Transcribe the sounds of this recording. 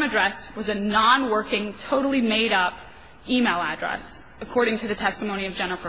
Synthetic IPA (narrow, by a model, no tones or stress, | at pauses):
mɨdɹɛswʌzɨnɑ̃nwɜ˞kɪ̃ŋtʰoʊɾl̩ˠimeɪɾʌp | imeɪlˠæ̰dɹɛ̰s | ɨkʰɔɹɾɪ̃ŋtʰɨðɨtʰɛstəmõʊ̃niʌvd͡ʒɛ̃n̩ˠfə